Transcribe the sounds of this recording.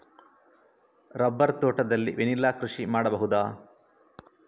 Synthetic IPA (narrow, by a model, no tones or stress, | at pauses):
ɾɐbːɐɾt̪oːʈɐd̪ɐlːḭʋenilːaːkɾuʂimaːɽɐbɐɦud̪aː